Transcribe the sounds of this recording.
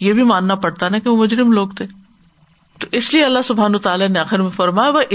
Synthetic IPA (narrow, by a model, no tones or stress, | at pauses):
jebʱimaːnːapɐɽt̪anakeʋomʊd͡ʒɾɪmloːɡt̪ʰeː | t̪oʔɪslieɐlːaɦsʊbʱɦaːnot̪aːlaneaːxɪɾmẽfɐɾmaːjaʋɐʔɪ